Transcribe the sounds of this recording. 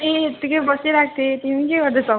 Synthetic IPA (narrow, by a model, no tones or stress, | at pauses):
eːt̪ikʌjbʌsiɾak̚t̪ʰet̪imĩkeɡʌɾd̪esʌ